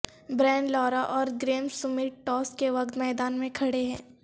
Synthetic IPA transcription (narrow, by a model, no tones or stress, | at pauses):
bɾɛ̃ːɳɖlɔːɾaʔɔːɾɡɾeːmsʊmɪʈɔːskeʋɐk̚t̪mɛːd̪aːnmẽkʰɐɽeɦɛ̃ː